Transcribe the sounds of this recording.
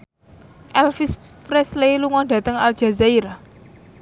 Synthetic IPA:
ʔɛlfispɾɛsleluŋɔɖä̤t̪əŋa̰ld͡ʒ̥a̤zaiɾa

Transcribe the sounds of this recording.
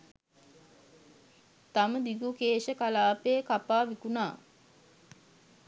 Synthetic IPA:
t̪aməd̪iɡukeːʃəkalaːpeːkapaːʋikunaː

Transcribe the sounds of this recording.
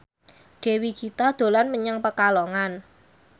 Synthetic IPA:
ɖ̥e̤wikit̪ad̪̥o̤lanməɲaŋpəkalɔŋan

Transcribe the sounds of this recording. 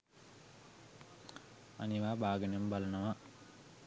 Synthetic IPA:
a̰niʋaːbaːɡənjembalɐnəʋa

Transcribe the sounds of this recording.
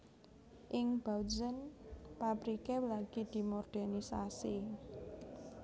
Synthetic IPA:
ʔɪŋb̥awd͡ʒənpapɾikewlaɡ̥id̪̥i̤morɖ̥ɛnisa̰si

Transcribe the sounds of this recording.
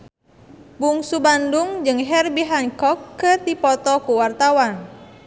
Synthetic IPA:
buŋsubandʊŋd͡ʒɨŋɦɛrbiɦaŋkɔkːət̪ipɔt̪ɔkuwart̪awan

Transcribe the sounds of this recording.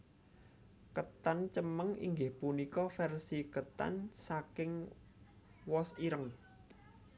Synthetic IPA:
kət̪ant͡ʃəməŋḭŋɡɪhpunikɔfɛrsikət̪a̰nsakɪŋ | wɔsiɾəŋ

